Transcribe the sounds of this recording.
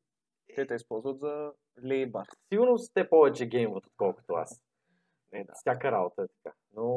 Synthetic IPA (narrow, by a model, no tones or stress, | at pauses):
t̪ɛt̪əispɔlˠzvət̪zɐ | lʲɛjbasiɡʊɾnost̪t̪ɛpɔvɛt͡ʃɛɡʲɛjmvət̪o̥t̪kɔlˠkʊ̥t̪oa̰s | fst̪ʲjakəɾabot̪əɛt̪ɐ̥ka | no